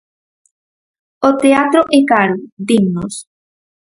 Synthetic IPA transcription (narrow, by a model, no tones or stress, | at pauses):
ot̪eat̪ɾoʔekaɾud̪iŋnos